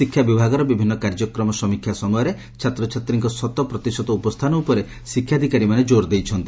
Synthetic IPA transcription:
sikʰjabibʱaɡɔɾɔbibʱinːɔkaɾd͡ʒɔkɾɔmɔsɔmikʰjasɔmɔjɔɾe | t͡ʃʰat̪ɾɔt͡ʃʰat̪ɾiŋkɔsɔt̪ɔpɾɔt̪isɔt̪ɔupɔst̪ʰanɔupɔɾe | sikʰːjad̪ʱikaɾimaned͡ʒoɾd̪ejt͡ʃʰɔnt̪i

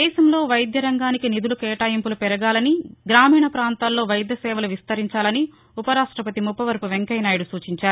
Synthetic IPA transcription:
ɛːʃɐmlo̞ːʋɐjd̪jɐɾɐŋɡaːnikinid̪ulukɛːʈaːjimpulupɛɾɐɡaːlɐniɡɾaːmiːɳɐpɾaːnt̪aːlo̞ːʋɐjd̪jɐsɛːʋɐluʋist̪ɐɾiɲt͡ʃaːlɐni | upɐɾaːʂʈɾɐpɐt̪imupːɐʋɐɾpuʋeŋkɐjnaːjɽusuːt͡ʃiɲt͡ʃaːɾu

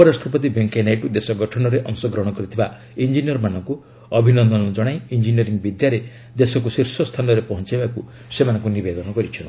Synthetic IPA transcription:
upɔɾasʈʰɔpɔt̪̬ibʱeŋkenajʈud̪esɔɡɔʈʰɔnɔɾeʔɔŋsɔɡɾɔɦɽ̃ɔkɔɾit̪ʰiba | ind͡ʒinijɔɾmanɔŋku | ɔbʱinɔnd̪ɔnɔd͡ʒɔɽ̃ajind͡ʒiniɔɾiŋbid̪jaɾe | d̪esɔk̬usiɾsɔst̪ʰanɔɾepɔɦɔ̃nt͡ʃibaku | semanɔ̃ŋkunibed̪ɔnɔɡɔɾit͡ʃʰɔn

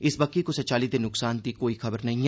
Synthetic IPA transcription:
ɪsbɐkːikosɐt͡ʃaːlid̪enːʊksaːnt̪ikoːixɐbəɾnɐɦĩ

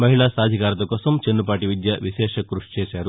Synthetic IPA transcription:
mɐɦiɭaːsaːd̪ʱikaːɾɐt̪ɐkoːsɐmt͡ʃenːupaːʈiʋid̪jɐʋiʃɛːʂɐkɾuʂt͡ʃeːsaːɾu

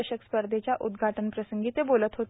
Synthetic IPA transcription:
əɕəkspəɾd̪ʱet͡ɕjaʔud̪ɡʱaʈənpɾəsəŋɡiːt̪ebolət̪ɦot̪

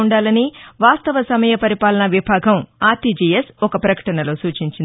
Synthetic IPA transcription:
ɳɖaːlɐniʋaːst̪ɐʋɐsɐmɐjɐpɐɾipaːlɐnɐʋibʱaːɡʱɐmaːt̪id͡ʒijesɔkɐpɾɐkɐ̥ʈɐnɐloːsuːt͡ʃiɲt͡ʃind̪

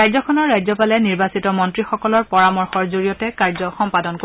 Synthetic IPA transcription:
ajzɔkʰɔnɔɹːajzɔpalɛniɹbasitɔmɔntɹixɔkɔlɔɹpɔɹamɔɹxɔɹzoɹijɔtɛkaɹzɔxɔmpadɔnko

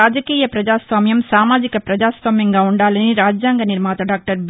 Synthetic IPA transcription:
aːd͡ʒɐkiːjɐpɾɐd͡ʒaːsʋaːmjɐmsaːmaːd͡ʒɪkːɐpɾɐd͡ʒaːsʋaːmjɐŋɡɐʋuɳɖaːlɐniɾaːd͡ʒjaːŋɡɐnɪɾmaːt̪ɐɖaːk̚ʈɐɾʋ

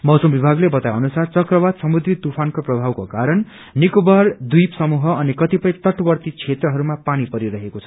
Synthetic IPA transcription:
mʌwsʌmbibʱaɡlebʌt̪ajʌnusart͡sʌkrʌbad̪sʌmud̪ɾit̪upʰankoprʌbʱabkokaɾʌn | nikubard̪ujpsʌmuɦʌʌnikʌt̪ipʌj̃t̪ʌʈbʌrt̪it͡sʰet̪rʌɦʌɾumapanipʌɾiɾʌɦekot͡sʰʌ̥

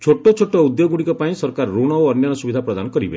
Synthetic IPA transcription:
t͡ʃʰoʈot͡ʃʰoʈɔud̪joɡuɽ̃ikɔpaĩsɔɾkaɾɔːuɽ̃ɔoɔnjanɔsubid̪ʱapɾɔd̪anɔkɔɾibe

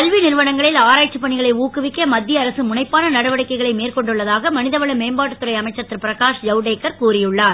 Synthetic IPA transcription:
kɐlʋinɪɾʋɐɳɐŋɡɐɭɪlaːɾaːt͡ʃːɯpːɐɳɪɣɐɭɐɪuːkɯʋɪkːɐmɐd̪ːɪjɐːɾɐsɯmʊnɐɪpːaːnɐnɐɽɐʋɐɽɐɪkːɐɪɣɐɭɐɪmeːrkɔɳɖɯɭːɐðaːɣɐmɐnɪðɐʋɐɭɐmeːmbaːʈːɯt̪ːɯɾɐɪɐmɐɪt͡ʃːɐt̪ːɪɾpɪɾɐkaːʂjɐʊɖeːkːɐɾkuːrɪjɯɭːaːɾ

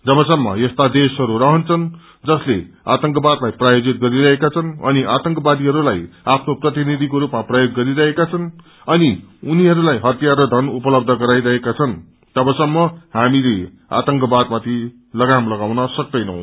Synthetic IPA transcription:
d͡zʌbʌsʌmːʌ̰jest̪ad̪esɦʌɾurʌɦʌnt͡sʰʌn | d͡zʌslea̰t̪ʌŋkʌbad̪lajprajod͡zit̪̚ɡʌɾiɾʌɦekat͡sʰʌnʌ̰niʔat̪ʌŋkʌbad̪iɦʌɾulajapʰnoprʌt̪inid̪ʱikoɾupmaprʌjoɡːʌɾiɾʌɦekat͡sʰʌn | ʌniuniɦʌɾulajɦʌt̪jarʌd̪ʱʌnupʌlʌb̚d̪ʱʌɡʌɾajɾʌɦekat͡sʰʌn | t̪ʌbʌsʌmːʌɦamile | a̰t̪ʌŋkʌbad̪mat̪ʰi | lʌɡamlʌɡawnʌsʌk̚d̪ʌjnʌ̰w̃

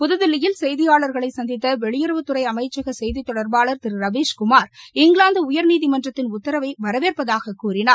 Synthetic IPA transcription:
pʊðɯðɪlːɪjɪlsɛjðɪjaːɭɐɾɣɐɭɐɪsɐnd̪ɪt̪ːɐʋɛɭɪjɪɾɯʋɯt̪ːɯɾɐɪɐmɐɪt͡ʃːɐɣɐsɛjðit̪ːɔɽɐɾbaːɭɐɾt̪ɪɾɯɾɐʋeːʂkʊmaːɾɪŋɡɭaːnd̪ɯʊjɐɾniːðimɐndrɐt̪ːɪnʊt̪ːɐɾɐʋɐɪʋɐɾɐʋeːrpɐðaːɣɐkːuːrɪnaːɾ

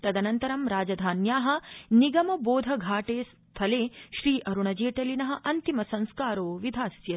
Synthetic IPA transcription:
ɾɐd̪ɐnɐnt̪ɐɾɐmɾaːd͡ʒɐd̪ʱaːnjaːɦɐ̆niɡɐmɐboːd̪ʱɐɡʱaːʈeːs | t̪ʰɐleːʃɾiːʔɐɾuɳɐd͡ʒeːʈɐlinɐɦɐ̆ʔɐnt̪imɐsɐ̃ŋ̃skaːɾoːʋid̪ʱaːsjɐ

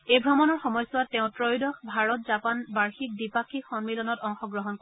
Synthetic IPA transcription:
ejbʱɹɔmɔnɔɹxɔmɔjsɔwat̚ːɛʊ̃tɹɔjdɔxbʱaɹɔtzapanbaɹxik̚dipakʰikxɔnmilɔnɔtɔŋxɔɡɹɔɦɔnko

